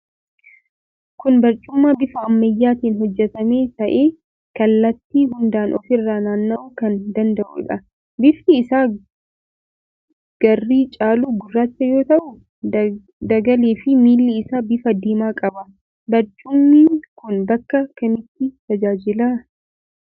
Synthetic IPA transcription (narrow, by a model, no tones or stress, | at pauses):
kʊnbɐɾt͡ʃʼʊmːaːbɪfɐːmːɐjːaːt̪iːnɦɔd͡ʒːɛt̪ɐme̞ːt̪ɐʔe̞ː | kɐlːɐt̪ːiːɦʊnd̪aːnʔɔfɪrːaːnaːnːɐʔuːkɐnd̪ɐnd̪ɐʔṵᶑɐ | bɪfɪːsaː | ɡ̥ɐrːiːt͡ʃʼaːluːɡʊrːaːt͡ʃːɐjo̞ːt̪ɐʔʊ | d̪ɐɡɐleːfɪmiːlːɪːsaːbɪfɐd̪iːmaːkʼɐbɐ | bɐɾt͡ʃʼʊmːiːkʊnbɐkːɐkɐmɪt̪ːɪt̪ɐd͡ʒaːd͡ʒɪlaː